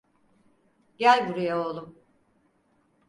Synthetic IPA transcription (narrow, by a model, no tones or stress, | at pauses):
ɟælʲbuɾujaolˠum